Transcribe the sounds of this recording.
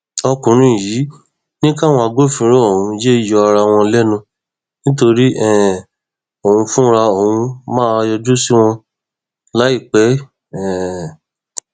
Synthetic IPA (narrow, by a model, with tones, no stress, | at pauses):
ɔ˧kũ˨ɾ̃ĩ˦˨jiː˨˦ | nĩ˦ka˦˨w̃ɔ̃˧a˧ɡo˦˨fĩ˧˦ɾɔ˦o˨hũ˧je˦i˦˨jɔ˧a˧ɾa˧w̃ɔ̃˧lɛ˦nũ˧ | nĩ˦t̬o˧ɾi˦ɛ˦˨ | o˨ũ˧fũ˦ɾa˧o˨ɦũ˧mã˦˧jɔ˧du˦si˦w̃ɔ̃˧ | la˨˦i˦˨k͡pɛ˨˦ | ɛ̃˨